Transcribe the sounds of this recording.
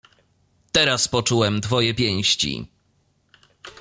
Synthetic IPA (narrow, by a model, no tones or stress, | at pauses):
t̪ɛɾaspɔt͡ʂuwɛmd̪vɔjɛpʲjɛ̃w̃ɕt͡ɕḭ